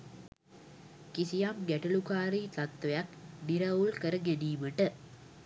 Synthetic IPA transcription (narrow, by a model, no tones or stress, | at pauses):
kisijamɡæʈəlukaːɾiːt̪at̪ʋejakniɾaulkəɾəɡæniːməʈə